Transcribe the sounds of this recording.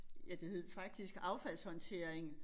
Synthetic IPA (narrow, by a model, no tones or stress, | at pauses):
jæd̥e̝he̝ð̰ˠfɑ̈ɡ̥̚d̥isɡ̥ɑ̈ʊfæl̰shɒ̽nt͡sʰe̝ɐ̰eŋ